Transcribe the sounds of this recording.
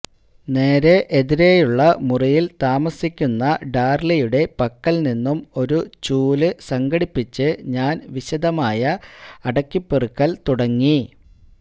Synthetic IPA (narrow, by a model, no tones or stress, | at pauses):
ne̞ːɾe̞ʔeðiɾe̞ːjuɭːɐmurɐjilt̪aːmɐsːikʲːunːɐɖaːrlɐjuɽe̞pɐkːɐlninːumo̞ɾut͡ɕuːlɨsɐŋɡɐɽipːit͡ɕːɨɲaːnʋiɕɐd̪ɐmaːjɐɐɽɐkːipːerɨkːɐlt̪uɽɐŋːi